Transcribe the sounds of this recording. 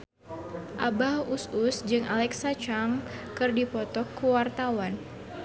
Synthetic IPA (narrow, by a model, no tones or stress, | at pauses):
ʔabahususd͡ʒɨŋalɛksat͡ʃaŋkɨrdipɔt̪ɔkːuwart̪awan